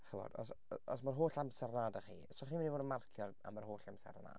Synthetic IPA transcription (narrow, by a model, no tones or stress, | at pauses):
χəvɔ̰d̥ɔ̰sɔsmarɦoːɬamsɛrnaːdaχḭːəsɔχiːɪnivoːdənmarkʰjɔra̰marɦoːɬamsɛ̰rna̰ːd̥